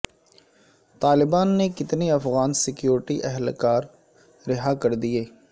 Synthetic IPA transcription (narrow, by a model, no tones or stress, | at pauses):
t̪aːlɪbaːnːekɪt̪neɐfɣaːnsɪkjoːɾɪʈiʔɛɦlkaːɾ | ɾɪɦakɐɾd̪ieː